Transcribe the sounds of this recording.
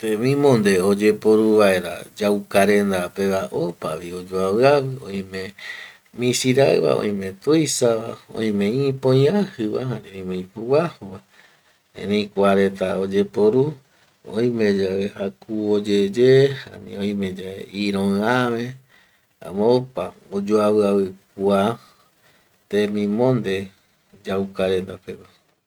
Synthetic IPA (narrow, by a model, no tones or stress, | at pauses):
t̪emĩmõnd̪eod͡ʒe̞poɾuβae̞ɾa̰d͡ʒawkaɾẽnd̪apeβaʔopa̰ʋiod͡ʒoaβɨaβɨõj̃mẽ | mĩsiɾaɰβa̰õ̰j̃mẽ̞t̪ujsaβa̰õ̰ĩmẽĩpõjãhɨβa̰hanĩõj̃mẽĩpuwahuβa | ḛ̃nej̃kʷaɾe̞t̪aod͡ʒepoɾu | õj̃mẽ̞d͡ʒaehakuod͡ʒed͡ʒeha̰nḭ̃õj̃mẽd͡ʒaeiɾõamẽ | ã̰mõpaod͡ʒoaβɨaβɨk̚ua | t̪emĩmõnd̪e | d͡ʒawkaɾend̪apeka